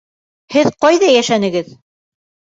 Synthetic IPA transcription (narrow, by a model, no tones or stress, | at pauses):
hɘðqɑjðɑjæʃænɘ̆ɡɘð